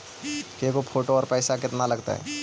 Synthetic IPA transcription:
kekopʰoːʈoɔːɾpɛːsakɪt̪nalɐɡt̪a̰ɦɛ̰

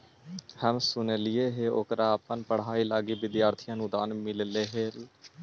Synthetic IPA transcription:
həmsʊnelɪjeːɦeːokɾaːpənpəɽ̤ɦaːiːlaːɡiːʋɪd̪jaːɾt̪ʰijãːnũːd̪aːnmɪlleːɦeː

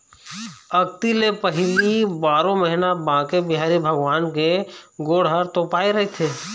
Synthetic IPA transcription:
ɐɡ̚t̪ilepəɦɪlibaːɾõməɦɪnabãːkebɪɦaːɾibʱəɡʋaːnkeɡoːɽ̤ɦaɾt̪oːpaːeɾɐɦet̪ʰeː

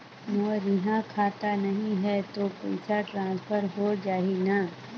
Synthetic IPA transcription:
moːɾjɪɦãkʰaːt̪anɐɦĩɦɛt̪opɐɪsaʈɾãːspʰəɾɦod͡ʒaːina

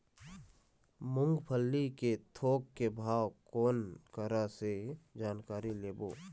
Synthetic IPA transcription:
mʊ̃ŋɡpʰəlːiket̪ʰoːkːebʱaːwkoːnkəɾased͡ʒaːnkaːɾileːbo̰ː

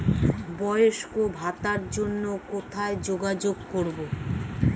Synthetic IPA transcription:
bɔjoʃkobʱat̪aɾd͡ʑonːokot̪ʰaed͡ʑoɡad͡ʑoɡkoɾbo

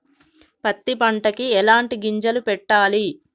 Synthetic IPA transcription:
pɐt̪ːipɐɳʈɐkiɛlaːɳʈiɡiɲd͡ʒɐlupɛʈːaːli

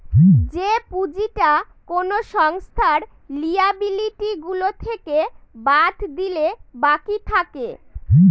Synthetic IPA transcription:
d͡ʑepud͡ʑiʈa | konoʃɔŋst̪ʰaɾ | liabiliʈiɡulot̪ʰekebad̪ʱd̪ilebakit̪ʰake

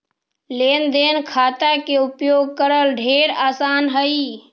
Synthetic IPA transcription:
lend̪enkʰat̪akeupjoɡ̚kəɾəlɖʱeɾasanɦəi

